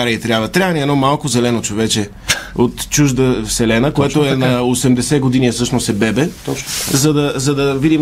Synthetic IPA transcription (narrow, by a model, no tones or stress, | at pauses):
aɾiət̪ɾʲjabvət̪ɾʲavəniɛd̪ɔmalˠkʊzɛlɛnot͡ʃovɛt͡ʃɛ | ot̪t͡ʃuʒd̪əfsɛlɛnəkoɛt̪oɛnɐosɛmd̪ɛsɛɡod̪iniɛfsɤʃnosɛbɛbɛt̪ɔt͡ʃnzɐd̪ɐzɐd̪ɐvid̪im